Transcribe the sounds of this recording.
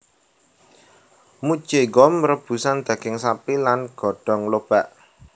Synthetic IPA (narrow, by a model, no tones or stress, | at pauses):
mud̥ʒ̥eɡɔmrəb̥ṳsand̪̥ä̤ɡ̥ɪŋsapilanɡ̥ɔ̤ɖ̥ɔ̤ŋlob̥aʔ